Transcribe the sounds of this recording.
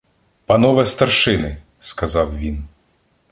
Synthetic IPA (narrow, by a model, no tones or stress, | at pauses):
pɐnɔʋɛst̪ɐrʃɪnɪ | skɐzɑwʋʲin